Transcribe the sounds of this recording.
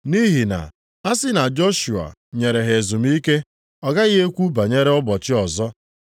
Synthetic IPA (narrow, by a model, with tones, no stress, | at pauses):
ni˦ɦi˨na̰˨ | a˦sɪ˦na˨d͡ʒo˦ʃu˨a̰˨ɲe˨ɾe˨ɦe˨zu˨m˦i˦ke˦ | ɔ˦ɡa˦ɣɪ˦ɦe˦kʷu˦ba˨ɲe˦ɾe˦ɔ˦bɔ˨t͡ʃɪ˦ɔ˨zɔ˦